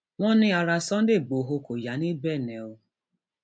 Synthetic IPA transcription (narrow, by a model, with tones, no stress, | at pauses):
ŋʷɔ˦nɪ˦a˨ɾa˨sɔ˦n̩˦dɪ˦˨ɡ͡bo˨ɦo˦ko˨ja˨ni˦bɛ˦˨ne˨o˦